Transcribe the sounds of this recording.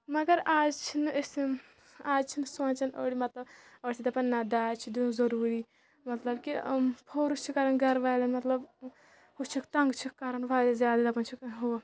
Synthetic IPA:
mɐɡɐɾaːd͡ʒt͡ʃʰinɨesi | aːd͡ʒt͡ʃʰinsãːnt͡ʃɐnoːɽimɐt̪lɐbɐɽt̪id̪ɐpɐnːɐd̪aːt͡ʃʰid̪izɐɾuːɾiː | mɐt̪lɐbkipʰoːɾust͡ʃʰikɐɾɐnɡɐɾʋaːjlɐnmɐt̪lɐb | hut͡ʃʰikt̪ɐŋɡt͡ʃʰikːɐɾɐnʋaːjd̪ɐzʲjaːd̪id̪ɐpɐnt͡ʃʰikɦo

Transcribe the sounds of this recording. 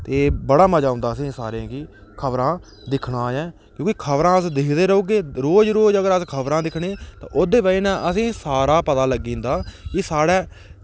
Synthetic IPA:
t̪eːbəɽaːməd͡ʒaːʊ̃nd̪aːəsĩːsa̰ːɾãːkiːkʰəbɾãː | d̪ɪkʰɽaːjɛ̃ː | kjõːkikʰəbɾãːəsd̪ɪkʰd̪eːɾəuːɡeːɾoːd͡ʒɾoːd͡ʒəɡəɾəskʰəbɾãːd̪ɪkʰɽeːt̪ã̰ːʔʊd̪eːbaːiːnãːʔəsĩːsaːɾaːpət̪aːləɡĩːnd̪aːkɪsaːɽɛː

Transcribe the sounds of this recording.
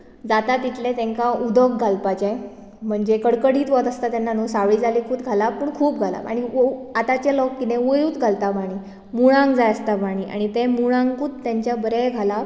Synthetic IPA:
d͡zat̪at̪ːit̪ʰlet̪ɛ̃ŋkaud̪ʱokɡʱalpat͡ɕã | m̤əɳd͡ʑekəɽkəɽiːt̪ʋɔt̪əst̪at̪janːanusaʋɭiːd͡zalikʰuːt̪ɡʱalapəɳkʰuːp̚ɡʱala̰a̰ɽ̃ioat̪at͡ɕelɔkːinẽʋojuːt̪ɡʱalt̪abaɽ̃iː | muɭ̃ãŋɡd͡zajəst̪abaɽ̃iːʔa̰ɽ̃it̪emuɭãŋɡkuːt̪t̪ːjãɲt͡ɕjabəɾɛɡʱala

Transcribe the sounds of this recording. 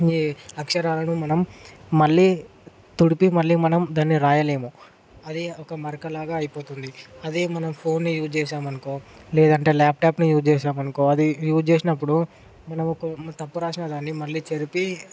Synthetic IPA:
iɐkʂɐɾaːlɐnumɐnɐmːɐɭːiː | t̪uɽipimɐɭːiːmɐnɐmd̪aːnːiɾaːjɐle̞ːmu | ɐd̪iɔkɐmɐɾkɐlaːɡaːɐjipo̞ːt̪und̪iɐd̪imɐnɐmpʰo̞ːnːijuːd͡ʒt͡ʃɛːʃaːmɐnukoːlɛːd̪ɐɳʈe̞ːlaːp̚ʰʈaːpnujuːd͡ʒt͡ʃɛːʃaːmɐnukoːɐd̪ijuːd͡ʒt͡ʃeːsinɐpːuɽu | mɐnɐmɔkɐt̪ɐpːuɾaːʃinɐd̪aːnːimɐɭːiːt͡ʃeɾipi

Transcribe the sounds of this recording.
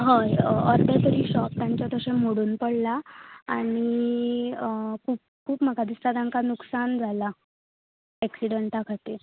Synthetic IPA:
ɦəjəɾd̪ʱəɾt̪əɾiːɕɔp̚t̪jaɲt͡ɕat̪əɕem̤oɽuːnpəɽlaa̰ɽ̃i | kʰuːp̚kʰuːpmaɡad̪ust̪ad̪ãŋkanuksand͡zʱala | ɛksiɽəɳʈakʰat̪e

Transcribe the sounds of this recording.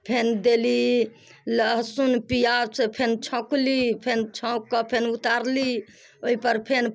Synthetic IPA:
pʰend̪eli | ləɦsunpijasẽpʰent͡ʃʰɔ̃klipʰent͡ʃʰɔ̃kːɔpʰenut̪aɾli | oipəɾpʰen

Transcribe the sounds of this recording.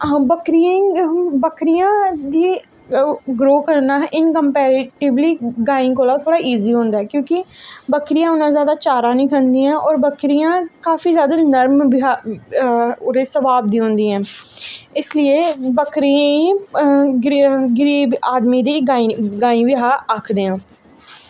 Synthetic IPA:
bəkɾɪjãːibəkʰɾɪjãːd̪iː | ɡɾoːkəɾnaːʔɪnkəmpɛːɾʈɪbliːɡaːĩːkoːlaːt̪ʰoːɽaːʔiːziːɦõːnd̪aːɛːkjõːkɪbəkʰɾɪjãːʊnãːzjaːd̪aːt͡ʃaːɾãːnĩːkʰənd̪iːãːʔɔːɾbəkɾijãːkaːfiːzjaːd̪aːnəɾmbɪɦa | d̪eːsəbaːb̚d̪iːɦʊ̃nd̪iːɛ̃ː | ɪslɪeːbəkʰɾiãːiːɡɾɡɪɾiːbaːd̪miːd̪iːɡaːiɡaːĩːʋɪɦaːəkʰd̪eːãː

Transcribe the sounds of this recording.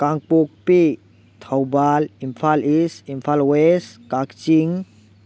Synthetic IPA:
kaŋpuk̚pi | t̪ʰawbalimpʰalisimpʰalweskak̚t͡ʃiŋ

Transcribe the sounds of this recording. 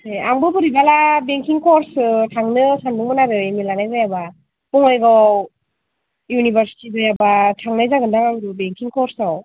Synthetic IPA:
eaŋbɯbɯɾibalabeŋkiŋkʰɔɾsɯtʰaŋnɯsanbuŋmɯnaɾɯjmilanajɡɯjaba | b̥ɔŋɔjɡaw | junibaɾsi̥tidɯjabatʰaŋnajzaɡɯndaŋaŋɾubeŋkiŋkʰɔɾsaw

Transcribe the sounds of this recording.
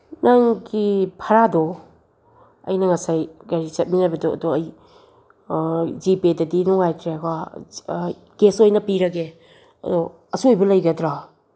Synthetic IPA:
naŋɡipʰɐɾadɔ | ɐ̰jnɐŋɐsajɡɐɾit͡ʃɐt̚minabɐdoɐ̰dɔɐj | zipedɐdinuŋajtʰɾekwa | ɡesojnɐpiɾɐɡe | ɐ̰dɔ | ɐsuojbɐlɐjɡɐdɾa

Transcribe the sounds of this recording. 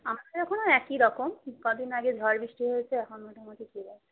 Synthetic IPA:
amad̪eɾɛkʰonoɛkiɾɔkomkɔd̪inaɡed͡ʑʱɔɾbɾiʃʈiɦojet͡ɕʰeɛkʰonmoʈʰamot̪ikidae

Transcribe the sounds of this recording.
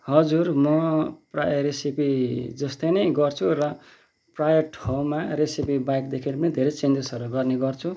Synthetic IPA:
hʌd͡zurmʌpra̰jresipid͡zʌst̪ʌjnʌjɡʌrt͡sʰurʌ | prajʌʈʰʌw̃maɾesipibajkd̪ekʰeɾepʌnid̪ʱeɾet͡send͡zesʌɾuɡʌrneɡʌrt͡sʰu

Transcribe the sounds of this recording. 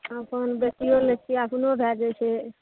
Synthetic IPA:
əpənbjək̚t̪iolek̚t̪iapnobʱjad͡ʒɛt͡ʃʰɛ

